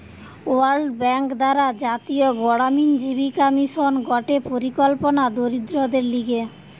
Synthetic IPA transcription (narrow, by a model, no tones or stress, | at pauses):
oaɾɖbɛŋkd̪aɾad͡ʑat̪ioɡɔɽamind͡ʑibikɔmiʃonɡɔʈepoɾikɔlponad̪oɾid̪ɾod̪eɾliɡe